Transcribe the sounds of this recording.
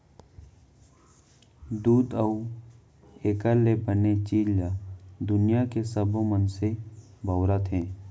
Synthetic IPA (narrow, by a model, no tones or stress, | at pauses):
d̪uːd̪əu | eːkəlːebənet͡ʃiːljad̪ʊnijakesəbmənse | bəːɾat̪ɦɛ̃ː